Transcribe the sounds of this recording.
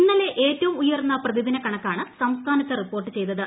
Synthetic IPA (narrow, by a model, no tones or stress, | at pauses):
inːɐleʔeːtːɐʋumujɐrnːɐprɐðid̪inɐkɐɳɐkːaːɳɨsɐmst̪ʰaːnɐt̪ːɐripːo̞ːrʈːɨt͡ɕe̞jt̪ːɐðɨ